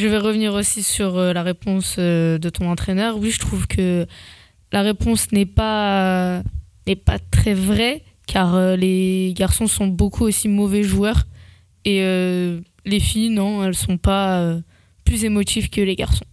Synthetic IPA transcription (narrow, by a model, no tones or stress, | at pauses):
ʒəvɛʁəvniʁosisyʁølaʁepɔ̃sød̪ət̪ɔ̃nɑ̃t̪χenœʁwiʒət̪χuvkʰə | laʁepɔ̃snɛpa | nɛpat̪χɛvʁɛ | kʰaʁøleɡaʁsɔ̃sɔ̃bokʰuosimɔvɛʒuœʁ | eø | lefijnɔ̃ɛlsɔ̃paø | plyzemɔt̪ivkəleɡa̰ʁsɔ̃